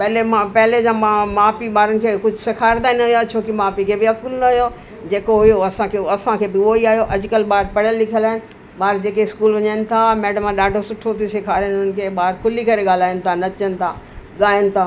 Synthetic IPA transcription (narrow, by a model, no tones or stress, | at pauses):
pɐɦlemãpɐɦɪled͡ʑãːmamaːpiɓaːɾənɪ̆kʰeːkʊd͡ʑʱʊsekʰaːɾd̪aːɪnɐɦjat͡ɕʰoːkimaːpikʰeːbɪɐkʊlnɐɦʊjo | d͡ʑeːkoɦʊjoɐsãkʰeɐsãkʰeːbɪoiaːɦijoʔɐd͡ʑʊkəlɓaːɾpɐɽjəlːɪkʰəlaːɦɪnɪ̆ | ɓaːɾd͡ʑeːkeɪskuːlʋɐɲaːɪnɪ̆t̪ʰamɛːɖəmãɗaːɖʱosʊʈʰot̪ʰisekʰaːɾənnɪ̆kʰeːɓaːɾkʰʊlikɐɾeɠaːl̤aːɪənɪ̆t̪ʰanɐt͡ɕənɪ̆t̪ʰaːɠaːənɪ̆t̪ʰaː